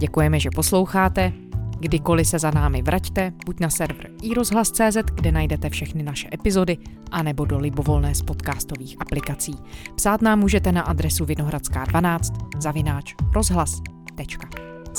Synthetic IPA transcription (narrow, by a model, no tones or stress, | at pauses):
ɟɛkujɛmɛʒɛpo̞slo̞wxaːt̪ɛ | ɡdɪko̞lɪsɛzanaːmɪvɾʔact̪ɛb̥ucnasɛɾvr̩ʔiɾo̞zɦlast͡sɛːzɛt̪ɡdɛnajdɛt̪ɛfʃɛxnɪnaʃɛʔɛpɪzo̞dɪʔanɛbo̞do̞lɪbo̞vo̞lnɛːspot̪kaːst̪o̞viːxʔaplɪkat͡siːpsaːt̪naːmːuːʒɛt̪ɛnaʔad̪ɾɛsuvɪno̞ɦɾat͡ska̰ːdvanaːt͡st̪zavɪnaːt͡ʃɾʔo̞zɦlast̪ɛt͡ʃkḁ